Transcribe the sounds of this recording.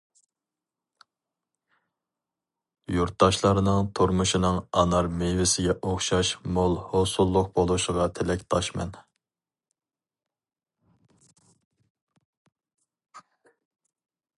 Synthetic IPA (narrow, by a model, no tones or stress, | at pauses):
juɾt̪̚ːɑʃlˠɑɾɨnɨŋt̪ʰoɾmuʃinɨŋɑnɑɾmevɪsɪɡʲɛʔoχʃɑʃmolˠhosulˠːʊq̚bolˠuʃəʁɑt̪ʰɪlɛkʲt̪ʰɑʃmɛ̰n